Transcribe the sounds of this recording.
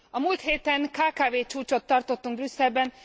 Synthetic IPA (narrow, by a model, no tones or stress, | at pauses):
ɒmuːlt̪heːt̪ɛŋkaːkaːveːt͡ʃuːt͡ʃo̞t̪ːɒrt̪o̞t̪ːuŋɡ̚brysːɛlbɛn